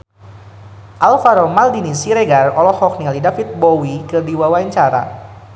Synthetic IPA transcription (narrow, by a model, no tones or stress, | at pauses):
ʔalfaɾɔmaldinisiɾeɡarɔlɔhɔk̚nilidafit̪̚bowikɨrdiwawaɲt͡ʃaɾa̰